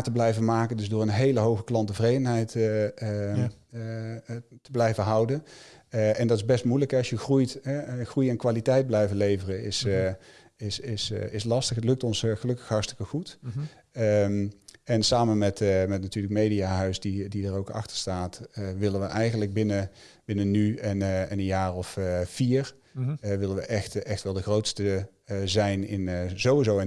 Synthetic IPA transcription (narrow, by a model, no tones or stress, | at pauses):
təblɛjvənmaːkəndɵzdʊːɹənɦejləɦowɣəklɑntəvrejdənɦɛjt | təblɛjvənɦɑwdən | ɛndɑtɪzbɛstmujləkɦɛɑsʃjəxrujtɛχrujɛnkʋaːlitɛjd̚blɛjvənlejvərənɪs | ɪsɪsɪslɑstəχətlɵk̚tɔnsχəlɵkəxɦɑɹtstɪ̥kəχut | mɛnsaːmənmɛtmɛtnatyːɹləkmejdiaːɦœɥsdididərowkɑ̰xtə̥ɹstaːtʋɪlənʋəʔɛjɣənləɡ̚bɪnə | b̥ɪnənyɛnɛnəjaːɹɔffiːɹ | ʋɪləʋəʔɛxtɛxtʋɛlˠdəχrowtstə | zɛjnɪ̰nzowʋizowɛ